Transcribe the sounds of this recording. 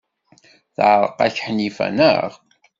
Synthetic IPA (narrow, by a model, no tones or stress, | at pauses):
θʕɾˤəqæçħnifæ̰nə̰ʁ